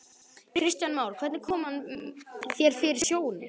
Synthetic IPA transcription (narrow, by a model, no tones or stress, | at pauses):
ɾɪɾɪst̪janmaːwɾkʰvɛɾt̪nɪkʰɔːmhan | θjɛɾ̥fɪːɾɪɾ̥sjoːwnɪ